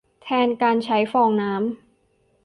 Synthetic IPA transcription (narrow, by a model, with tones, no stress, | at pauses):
t̪ʰɛː˧nkaː˧nt͡ɕʰa˦˥jfɔː˧ŋnaː˦˥m